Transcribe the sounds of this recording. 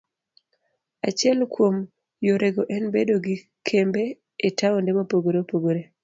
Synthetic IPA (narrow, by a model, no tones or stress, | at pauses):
at͡ʃɪɛlkwom | joɾeɡoʔɛnbedoɡɪ | kʰembeː | taondemopoɡoɾepoɡoɾe